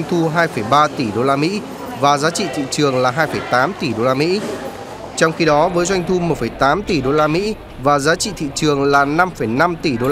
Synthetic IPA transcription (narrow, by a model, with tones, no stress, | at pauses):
ŋt̪ʰu˧ɦaː˧jfə˧˩jɓaː˧t̪i˧˩ɗo˧laː˧mḭ˧˥ | vaː˨˩zaː˨˦t͡ɕḭ˧˨t̪ʰḭ˧˨t͡ɕɨ˨˩əŋlaː˨˩ɦaː˧jfə˧˩jt̪aː˨˦mt̪i˧˩ɗo˧laː˧mḭ˧˥ | t͡ɕɔ˧wŋ͡mxi˧ɗɔ˨˦vəː˨˦jzwa˧jŋ̟t̪ʰu˧mo˨˩t̚fə˧˩jt̪aː˨˦mt̪i˨˩ɗo˧laː˧mḭ˧˥ | vaː˨˩zaː˨˦t͡ɕḭ˧˨t̪ʰḭ˧˨t͡ɕɨ˨˩əŋlaː˨˩na˧mfə˧˩jna˧mt̪i˧˩ɗo˧